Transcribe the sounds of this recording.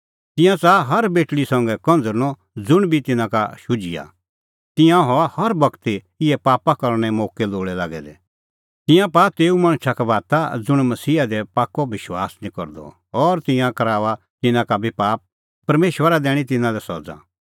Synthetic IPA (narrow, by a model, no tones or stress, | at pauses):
t̪ɪ̃jãt͡saɦɐɾbeːʈɭisɐ̃ŋɡɛkɐ̃nd͡zəɾñɔ | d͡zʊɽ̃bʱit̪ɪnãka̰ʃʊd͡ʒɪja̰ | t̪ɪ̃jãɦɔahɐɾbɐkt̪i | ɪɛpaːpakɐɾɽ̃ɛ̃moːkɛloːɭɛlaːɡɛ̰d̪ɛ̰ | t̪ɪ̃jãpaːpeːumɐ̃ɽ̃ʃʰakabaːt̪ad͡zʊɽ̃mɐsiːad̪ɛpaːkːɔʋɪʃwa̰ːsnĩkɔ̰ɾd̪ɔ̰ | ɔːɾt̪ɪ̃jãkɐɾaːʋa | t̪ɪnãkabʱipaːp̚ː | ɐɾmeːʃwəɾad̪ɛːɽ̃it̪̬ɪ̃nãlɛsɔ̰d͡zã̰